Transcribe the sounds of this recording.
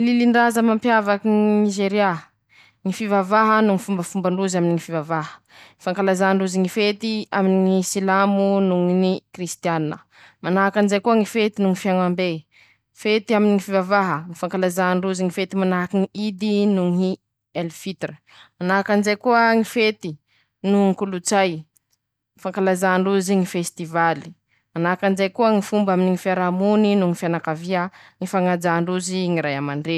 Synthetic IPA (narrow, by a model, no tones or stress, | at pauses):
liliɳɖ͡ʐazəmampjavakiŋniʒeɾia | ŋifivavaɦənuŋifumbəfumbaɳɖ͡ʐuzaminiŋifivavaɦə̥ | ŋifaŋkalazaɳɖ͡ʐuziŋifet̪iaminiŋisilamunuŋinikrist̪ianinə̰ | manaɦakanzejkuəŋifet̪inuŋifiaŋambe | fet̪iaminiŋifivavaɦəŋifaŋkalazaɳɖ͡ʐuziŋifet̪imanaɦakiŋiid̪inuŋi | elfit̪rə | manaɦakanzajkuəŋifet̪i | nuŋikulut͡saj | ŋifaŋkalazaɳɖ͡ʐuziŋifest̪ivali̥ | manaakanzajkuəŋifumbaminiŋifiaɾamuninuŋifianakaviaŋifaŋad͡ʒaɳɖ͡ʐuziŋiɾajamaɳɖ͡ʐe